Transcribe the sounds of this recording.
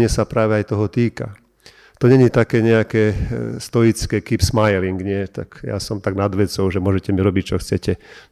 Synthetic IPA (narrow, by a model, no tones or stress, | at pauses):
ɪɛsapɾaːʋɛajt̪ɔɦɔt̪iːka̰ | t̪ɔɲɛɲit̪akɛːɲɛakɛːst̪ɔjit͡skɛːkipsmajliŋɡɲɪɛt̪a̰kja̰sɔmt̪aɡnad̪ʋɛt͡sɔʊʒɛmʊɔʒɛcɛmiɾɔbic̚t͡ʃɔxt͡sɛcɛ